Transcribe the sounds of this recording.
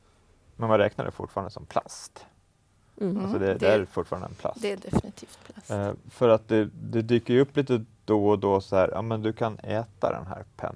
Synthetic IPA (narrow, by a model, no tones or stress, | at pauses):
mɛnvanɾɛ̰ːknaɖɛ̰fʊ̰ʈːfɑːɾand̪əsɔmpʰlast̪ | alsɔd̪ɛd̪ɛæɾfʊʈːfɑːɾanəɛnpʰla̰sdd̪ɛfnt̪ʰiːft̪ʰ | fœɾat̪̚d̪ɛd̪ɛd̪yːkəɾjɵpːliːt̪əd̪ɔd̪ɔsɔhæːɾʔɑ̰ːmɛnd̪ɵkʰanɛːt̪a̰d̪ɛ̰nɦæ̰ːɾpʰɛ̰n